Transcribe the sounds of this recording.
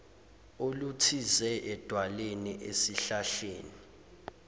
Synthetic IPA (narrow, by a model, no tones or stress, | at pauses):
olutʰizɛʔɛd̥ʱwaleniʔesiɬaɬeːni